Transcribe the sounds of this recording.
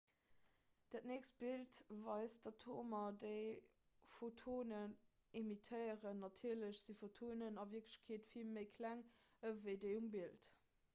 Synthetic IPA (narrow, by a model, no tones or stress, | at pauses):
d̥æːt̚neːkst̚b̥iltvɑɪsd̥ɑtʰoːmɐdəɪ | fotʰoːnən | imitʰəɪəʁənːɑtʰiːɐləɕz̥ifotʰoːnənɑviɐkləɕkʰeːtfilməɪkʰlæŋəvəɪdəjumbilt